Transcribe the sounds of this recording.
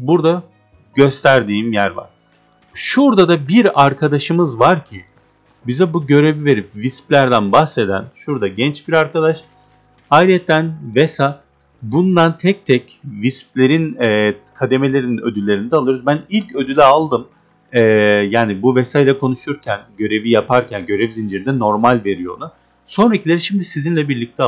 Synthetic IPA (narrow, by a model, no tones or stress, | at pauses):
buɾd̪a | ɟø̞st̪ʰæɾd̪iːmjæɾva̰ɾ̥ | ʃuɾd̪ad̪abiɾaɾkʰad̪aʃɯmɯzvaɾcʰi | bizɛbuɟø̞ɾe̞vive̞ɾipvisplʲæɾd̪ænbaxse̞d̪æ̰nʃuɾd̪aɟɛnt͡ʃbiɾaɾkʰad̪aʃ | ajɾɛt̪ʰːænvesa | bund̪ant̪ʰɛc̚t̪ʰɛc | visp̚lʲe̞ɾinɛːkʰad̪e̞me̞lʲe̞ɾinnød̪ylʲːe̞ɾinid̪ɛalˠɯɾuzbænilʲcʰø̞d̪ylʲɛalˠd̪ɯm | ɛːjaːnibuvesajlʲˠakʰo̞nuʃuɾcʰænɟø̞ɾe̞vijapʰaɾcʰænɟø̞ɾevizind͡ʒeɾind̪ɛno̞ɾmalʲve̞ɾijo̞̰ɾnʊ | so̞nɾacʰilʲe̞ɾiʃimd̪isizinlʲɛbiɾlʲic̚t̪ʰɛ